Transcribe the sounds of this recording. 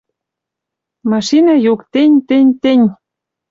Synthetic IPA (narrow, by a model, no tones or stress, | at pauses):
mɑʃinɑjukt̪enʲt̪ĕnʲt̪enʲ